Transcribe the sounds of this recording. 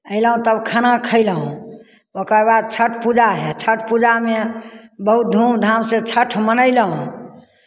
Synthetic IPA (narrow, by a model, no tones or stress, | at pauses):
əɪləɦũt̪əbkʰanakʰəɪləɦũ | okəbad̪̚t͡ʃʰəʈʰpud͡ʒaɦɛt͡ʃʰəʈʰpud͡ʒamebəɦut̪̚d̪ʱumd̪ʱamsẽt͡ʃʰəʈʰmənəɪləɦũ